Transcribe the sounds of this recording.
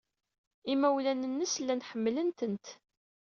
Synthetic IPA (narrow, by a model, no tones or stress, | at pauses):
imæwlænənːəslːænħəmːlənt̪ənt̪